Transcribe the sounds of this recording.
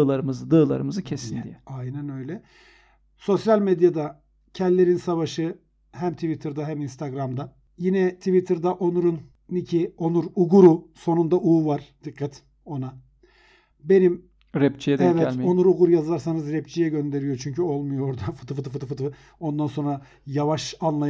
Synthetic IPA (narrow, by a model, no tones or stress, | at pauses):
ɯlˠaɾɯmɯzɯd̪ɯːlˠa̰ɾɯmɯzɯcʰesinndḭjɛajnænø̞jlʲɛ | so̞sjalʲmed̪jad̪a | cʰɛnd̪ʲlʲːe̞ɾinsavaʃɯ | hæmt̪ʰivit̪ʰɯɾd̪aɦæminst̪ʰaɡɾamd̪a | jinɛt̪ʰivit̪ʰɯɾd̪aʔo̞nuɾun | icʰio̞nuɾuɡuɾuso̞nund̪aʔuːvaɾ̥d̪̥ɯkːat̪ʰ | o̞na | be̞nim | ɾɛpt͡ʃʰijɛɛvɛt̪o̞nuɾuɡuɾjazaɾsanɯzɾɛp̚t͡ʃʰijɛɟø̞nd̪e̞ɾijo̞t͡ʃʰyɲcyo̞lˠmujooɾd̪afɯ̥t̪ʰɯfɯt̪ɯfɯt̪ɯfɯt̪ɯ | o̞nd̪anso̞nɾa | javaʃanlˠaj